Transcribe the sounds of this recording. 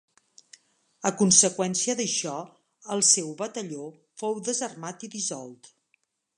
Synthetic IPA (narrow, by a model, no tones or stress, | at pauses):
əkunsəkwɛnsiəðəʃɔ | əlˠsɛwβət̪əʎo | fowðəzərmat̪iðizɔ̰lˠt̪